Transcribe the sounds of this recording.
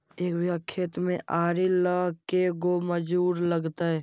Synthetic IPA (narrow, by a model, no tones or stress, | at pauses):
eːkʋjəkʰːet̪mẽʔaːɾiləɦkeɡoməd͡ʒuːɾləɡt̪aɦɛː